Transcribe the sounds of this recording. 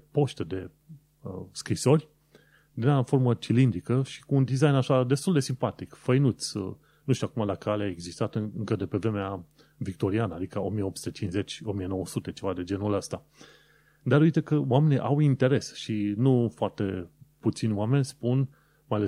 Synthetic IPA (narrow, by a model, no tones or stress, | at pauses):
po̞ʃt̪ed̪e̞ | skɾiso̞rʲ | d̪inafo̞rmət͡ʃilind̪ɾikəʃi̥kuːnd̪izajnaʃad̪e̞st̪uld̪e̞simpat̪ikfəjnut̪sʲ | nuʃt̪ʲuakumalakaleaeɡzist̪at̪ɨŋkəd̪e̞pe̞vɾe̞mea | vikt̪o̞ɾianəad̪ikao̞mijeo̞psu̥t̪et͡ʃinsze̞t͡ʃʲo̞mijeno̞wəsut̪e̞t͡ʃe̞vad̪e̞d͡ʒe̞nuləst̪a | d̪aɾujt̪ekəwame̞niʔawint̪e̞ɾe̞sʃinufoart̪e̞put̪sinʲwame̞nʲspun | majale